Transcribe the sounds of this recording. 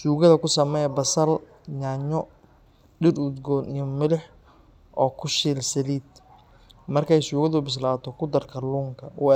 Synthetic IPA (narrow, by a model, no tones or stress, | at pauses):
ʃuːɣɐðɐkʰʊsɐmɛjbɐsɐl | ɲaːɲɔ | ɖɪɾʊd̪ɡɔnɪmɪlɪħ | ʔɔːkʰʊʃiːlsɐliːd̪ | mɐrkʰɛjʃuːɣɐðʊbɪs̬laːt̪ʰɔkʰʊd̪ɐrkʰɐluːŋkʰɐwɔ